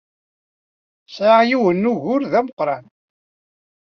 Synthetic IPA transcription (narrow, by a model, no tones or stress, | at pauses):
sʕajiwənːuʝʊɾðæməqːɾˤɑn